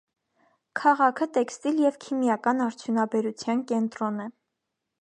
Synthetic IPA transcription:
kʰɑʁɑkʰət̪ɛkst̪iljɛvkʰimjɑkɑnɑɾt͡sʰjunɑbɛɾut͡sʰjɑnkɛnt̪ɾɔnɛ

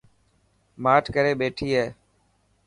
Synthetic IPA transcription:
maːʈʰkəɾeːɓeːʈʰiːɦeː

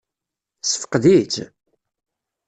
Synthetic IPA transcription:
sə̥fə̥qðid͡ʒ

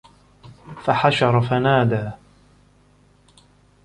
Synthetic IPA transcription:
faħaʃɑɾˤfanaːd̪aː

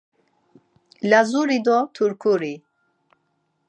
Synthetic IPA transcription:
lazuɾid̪ɔt̪ʰuɾkʰuɾi

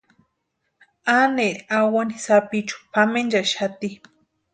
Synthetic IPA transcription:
aneɾawanisapit͡ʃu̥pamend͡ʒaʃat̪i

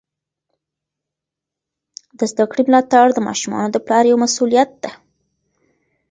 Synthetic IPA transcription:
d̪əzd̪akɽimlɑt̪aɽd̪əmɑ̰ʃumɑ̰nod̪əplɑɾjawmasulijat̪̚d̪̥e

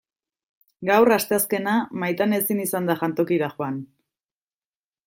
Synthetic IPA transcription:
ɡawrast̪e̞aske̞namajt̪ane̞sinisand̪aʝant̪o̞kiɾaxoan

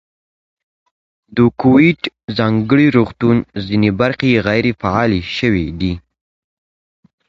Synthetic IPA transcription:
d̪əkowiʈzɑŋɡəɽiɾoxt̪unzinebaɾxeɣajɾefaɑleʃəwed̪i

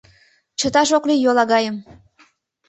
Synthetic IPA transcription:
t͡ʃə̆t̪ɑʃoklijolˠɑɣɑjəm

